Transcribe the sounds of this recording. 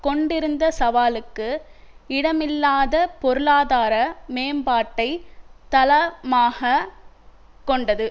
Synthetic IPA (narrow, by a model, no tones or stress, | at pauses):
kɔɳɖɪɾɯnd̪ɐsɐʋaːlɯkːɯ | ɪɽɐmɪlːaːðɐpɔɾɯlaːðaːɾɐmeːmbaːʈːɐɪt̪ɐlɐmaːɣɐ | kɔɳɖɐðɯ